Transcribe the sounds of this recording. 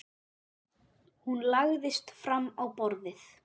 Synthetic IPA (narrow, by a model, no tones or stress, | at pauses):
hunlaɣðɪst̪fɾamːawpɔɾðɪθ